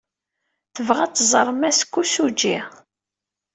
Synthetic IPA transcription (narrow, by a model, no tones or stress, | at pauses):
θəvʁæt͡sːzˤəɾˤmæskʷːusud͡ʒi